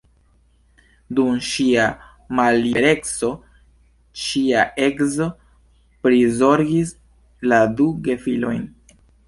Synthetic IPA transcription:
dumʃia | malːiɾe̞kso̞ | ʃiaʔe̞kzo̞ | pɾizo̞ɾɡis | laduɡe̞filo̞jn

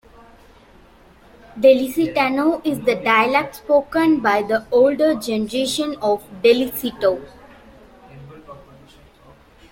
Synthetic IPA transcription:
ɖelisiʈanoːʔɪzd̪əɖaɪəlɛk̚ʈspoːkə̃nbaɪd̪əoːlɖəɾd͡ʒɛnəɾeːʃə̃nɔːʋɖelisiʈo

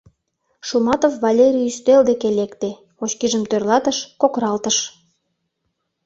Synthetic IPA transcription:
ʃumɑt̪ofvɑlʲeɾʲijyst̪eld̪ekelekt̪e | ot͡ɕkiʒəmt̪ørlɑt̪əʃkokɾɑlt̪əʃ

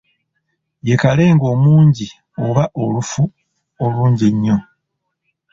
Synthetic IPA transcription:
je̞kale̞ːŋɡo̞ːmuːɲɟi | oβaʔo̞lufu | oluːɲɟeɲːo̞

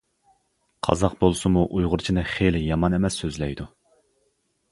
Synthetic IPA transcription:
qʰɑ̰zɑqbolˠsɨmuʔujʁʊɾt͡ʃʰinɨχelɪjɑmɑnemɛsːøzlɛjd̪u

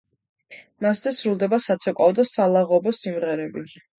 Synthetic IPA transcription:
maszɛsɾulˠd̪ɛbasat̪sʰɛqʼɔvd̪asalˠaʁɔbɔsimʁɛɾɛbi

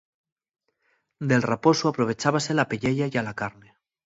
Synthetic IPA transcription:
d̪elraposuapɾoβ̞e̞t͡ʃaβ̞aselapeʎeʎajalakaɾne

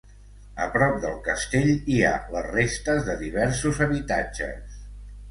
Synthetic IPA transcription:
əpɾɔp̚d̪əlˠkəst̪eʎia̰lərest̪əzðəðiβ̞ɛɾsuzəβit̪ad͡ʒə̰s

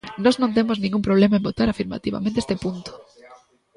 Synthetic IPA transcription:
nɔznõnt̪̬emoznĩŋɡumpɾoβ̞lemaẽmbot̪aɾafiɾma̰t̪iβa̰mẽnt̪est̪epunt̪o̥

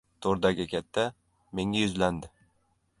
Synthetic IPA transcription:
t̪ʰoɾd̪aɡʲɪkʲʰat̪ʰːa | me̞ŋajʊzland̪ɪ

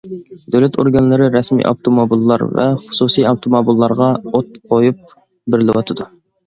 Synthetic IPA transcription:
d̪øwlɛt̪ʰoɾɡɑnlˠɨɾɨɾɛsmḭjʔɑ̰wt̪ʰomobilˠːɑ̰ɾvɛ̰χʊ̥susijɑwt̪ʰomobilˠːɑɾʁɑot̪̚qʰojup̚ | bɪɾlɪwɑt̪ʰɨd̪u

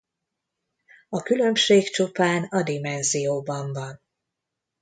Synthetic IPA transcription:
ɒkylø̞mʃeːkt͡ʃupaːnɒd̪imɛnzijoːbɒɱvɒn

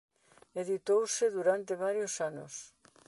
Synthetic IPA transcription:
eðit̪owsɪðuɾant̪eβ̞aɾjosano̰s

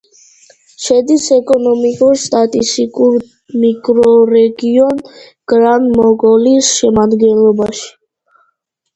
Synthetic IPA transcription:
ʃɛd̪isɛkʼɔnɔmikʼuɾst̪ʼat̪ʼist̪ʼikʼuɾ | mikʼɾɔɾɛɡiɔn | ɡ̥ɾanmɔɡɔlisʃɛmad̪ɡɛnlˠɔbaʃi̥

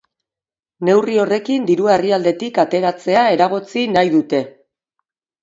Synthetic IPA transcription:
ne̞wrio̞re̞kind̪iɾuaeriald̪e̞t̪ikat̪e̞ɾat͡se̞ae̞ɾaɣ̞o̞t͡sinajðut̪e̞

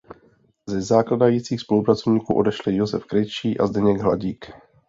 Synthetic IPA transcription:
zɛzaːkladajiːt͡siːxspo̞lupɾat͡so̞vɲiːkuːʔo̞dɛʃlɪjozɛfkɾɛjt͡ʃiːʔa̰zdɛɲɛɡɦla̰ɟiːk

